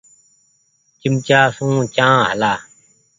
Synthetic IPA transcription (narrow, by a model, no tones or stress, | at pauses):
t͡ɕɪmt͡ɕaːsũːt͡ɕãːɦə̰laː